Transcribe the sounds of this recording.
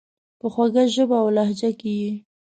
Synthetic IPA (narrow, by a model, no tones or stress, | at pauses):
pəxwaɡajʒəbaːwlahd͡ʒakiji